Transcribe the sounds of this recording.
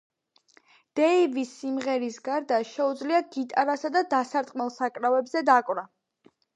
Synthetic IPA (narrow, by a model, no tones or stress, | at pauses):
d̪̥ɛivisːimʁɛɾisɡaɾd̪aʃɛud̪zliaɡit̪ʼaɾasad̪ad̪asaɾt̪ʼqʼmɛlˠsakʼɾavɛbzɛd̪akʼvɾa